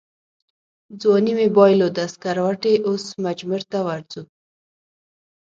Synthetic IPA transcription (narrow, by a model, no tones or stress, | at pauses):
d͡zwanimebɑjlod̪askaɾwaʈeʔosmad͡ʒmuɾt̪awaɾzu